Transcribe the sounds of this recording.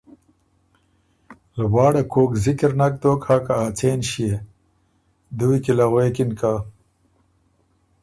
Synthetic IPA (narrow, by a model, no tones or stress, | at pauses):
lwaːɽakʰoːkzikeɾnak̚t̪oːkhakaaːt͡seːnɕije | d̪uwikilaɣwekinka